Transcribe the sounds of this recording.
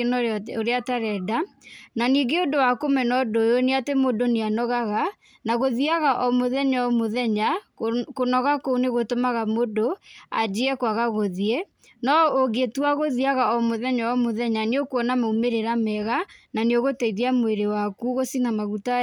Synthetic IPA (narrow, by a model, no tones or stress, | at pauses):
enoɾeataɾɛda | naniːɡeondowakomɛnɔdojoneatemodoneanɔɣaɣa | naɣoðiaɣaʔɔmoðɛɲaɔmoðɛɲakonɔɣakouneɣotomaɣamodoa̰d͡ʒeɛkwaɣaɣoðiɛ | nɔoɡetwaɣoðiaɣaɔmoðɛɲaɔmoðɛɲaneokwɔnamoumeɾeɾamɛɣananeoɣotɛiðiamoeɾewakuɣosinamaɣuta